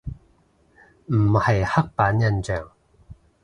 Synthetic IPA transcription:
m̩˨˩hɐ˨jhɐ˥k̚paː˨˥njɐ˥˧nt͡sœː˨˩ŋ

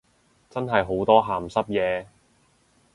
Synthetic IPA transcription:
t͡sɐ˥nɦɐ˨jɦo˨˥wt̪ɔː˥ɦaː˨˩msɐ˥p̚jɛː˨˧

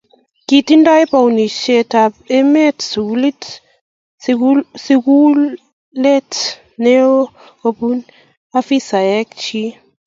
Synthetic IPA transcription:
ki˨ti˦nda˦ɛ˦pa˨u˨ni˨ʃe˦ta˨pe˦mɛ˦tsu˨ku˦li˦t | si˦ku˦ | le˦t | ne˦wo˦ | ko˨pu˦n | a˦fi˦sa˨jɛ˦k̚t͡ʃi˦

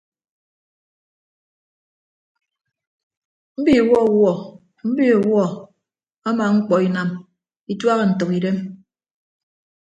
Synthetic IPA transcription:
m̩˦bi˦˨wɔ˦˨wɔ˦˨ | m̩˦bi˦ɔ˨wɔ˦ | a˦maː˨ŋ͡m̩˦k͡pɔ˨i˨na˨m | i˦twa˦ɣə˨n̩˨to˨ki˨de˦m

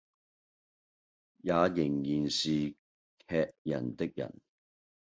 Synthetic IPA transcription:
jaː˨˧jɪ˨˩ŋjiː˨˩nsiː˨ | kʰɛː˧k̚jɐ˨˩nt̪ɪ˥k̚jɐ̰˨˩n

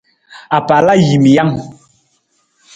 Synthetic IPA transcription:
a˨pa˨la˦ji˨mi˨ja˦ŋ

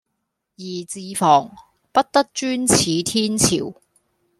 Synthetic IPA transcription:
jiː˨˩t͡siː˨˧fɔː˨˩ŋ | pɐ˥t̚t̪ɐ˥k̚t͡ʃyː˥nt͡sʰiː˨˧t̪ʰiː˥nt͡sʰḭː˨˩w

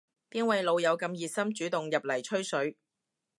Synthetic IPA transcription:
t̪iː˥nwɐ˨˧jlo˨˧wjɐ˨˧wkɐ˧mjiː˨t̚sɐ˥mt͡ʃyː˨˥t̪ʊ˨ŋjɐ˨p̚lɐ˨˩jt͡ʃʰɵ˥ɥsɵ˨˥ɥ

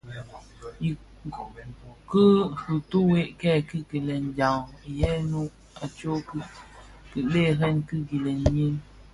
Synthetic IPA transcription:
ji˨ | kɨ˦hu˨tu˦we˦ʔkɛ˦˨kɨ˦ki˨lɛ˨n˨d͡ʒa˨wi˨jɛ˦nu˦ | a˨t͡ʃo˦k | kɨ˨le˦˨ɦɛ˦nkɨ˦ɡi˨lɛ˨n˦ɲi˦ŋ

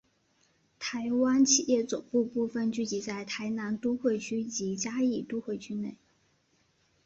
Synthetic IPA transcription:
t̪ʰa˧˥ɪwa˥nt͡ɕʰi˨˩jɛ˥˩t͡sʊ˨˩ŋpu˥˧pu˥˧fə˥˧nt͡ɕy˥˩t͡ɕi˧˥t͡sa˥˩ɪt̪ʰa˧˥ɪna˧˥nt̪u˥xwe˥˧ɪt͡ɕʰy˥t͡ɕi˧˥t͡ɕja˥i˨˩t̪u˥xwe˥˩ɪt͡ɕʰy˥ne˥˩ɪ

